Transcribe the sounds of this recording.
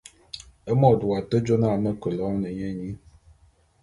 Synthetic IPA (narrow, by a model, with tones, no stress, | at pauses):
ə˦mɔ˦˨du˨a˨tə˦d͡ʒo˦na˦˨mə˦kə˨lɔ˨˦nə˨ɲɛ˦˨ɲi˦